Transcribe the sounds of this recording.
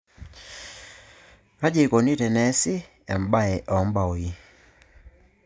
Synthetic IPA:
a˦d͡ʒe˦˨ko˨ni˦tɛ˨nɛ˦sɪ˦ | ɛ˨mba˦ɛ˨ʔɔ˨˦mba˨o˨i˦

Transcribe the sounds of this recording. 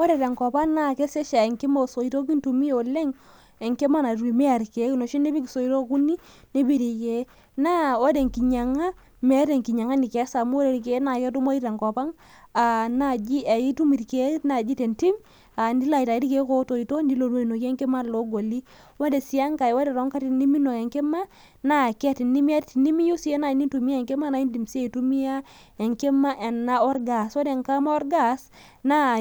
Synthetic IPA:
o˦ɾe˨ɾe˨ŋkɔ˨pa˦ŋna˦˨kɛ˦sɛ˦ʃa˨ŋki˦mo˨so˨i˨to˦k̬i˦ntu˨mi˦o˨le˦ŋ | ɛ˨ŋke˦ma˦na˨ɾu˨i˨mɛ˦a˨ɾke˨˦kno˨ʃi˦ni˦bi˦ki˨so˨i˨ɾo˦ku˦ni˦ | ni˦bi˦ɾi˨ke˦ | na˦o˦de˨ŋki˨ɲa˨ŋa˦ | mɛ˦ɾe˨ŋki˨ɲa˨ŋa˦ni˨kɛ˨˦sa˨mu˦o˦ɾe˨ɾk̬e˦na˨kɛ˦tu˦mo˦i˦ɾa˨ŋko˨pa˦ŋ | a˨na˦d͡ʒi˦ʔa˨ji˦tu˦mi˨ɾke˦na˨d͡ʒi˦te˨nti˦m | a˨ndi˦la˨i˨ta˨i˦ɾi˦ke˦ko˦to˨i˨to˦ndi˦lo˨n˦o˦i˨no˨ki˦e˦ŋke˦ma˦lo˦ɡo˨li˦ | we˦de˨si˨˦a˦ŋka˨we˦de˨ɾɔ˦ŋka˦ti˨nːi˦mi˦no˨ke˨ŋkɛ˦ma˦ | na˦˨kɛ˦ti˨nːi˦mi˦a˦tti˨ni˦mi˦ju˦si˦e˦na˨i˨ni˦ntu˨mi˦a˦ɛ˨ŋke˦ma˦na˨˦i˦ndi˨mse˦i˨tu˦mi˦a˦ | e˨ŋke˦ma˦ʔe˨na˦ɔ˦ɾɡa˨so˦de˨ŋka˦ma˦ɔ˦ɾɡa˦s | na˦˨

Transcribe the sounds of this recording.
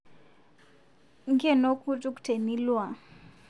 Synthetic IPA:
ŋɡɛ˦˨nɔ˦kʰu˦tʼu˦ku̥˨tʰe˨ni˦lwa˨

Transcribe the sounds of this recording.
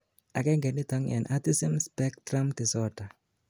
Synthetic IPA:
a˨kɛ˦ŋɡɛ˨nːi˦tɔ˦ŋɛ̰˨nʔati˦si˦mspɛ˦k̚tɾa˦mti˨sɔ˦ta˨

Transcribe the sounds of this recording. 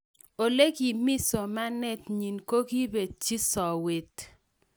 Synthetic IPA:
o˨le˦ɡi˨mɪ˦so˨ma˦nɛ˦tɲi˨nko˦ɡi˦be˨t͡ʃi˦sɔ˨we˨t

